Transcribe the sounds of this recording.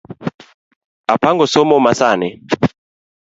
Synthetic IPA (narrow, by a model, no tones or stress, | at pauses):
apaŋɡɔsɔmɔmasanɛ